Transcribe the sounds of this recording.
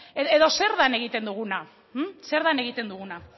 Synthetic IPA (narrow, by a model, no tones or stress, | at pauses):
eeðo̞se̞ɾðane̞ɣit̪e̞nd̪uɣ̞una | m̩se̞ɾðane̞ɣit̪e̞nd̪uɣuna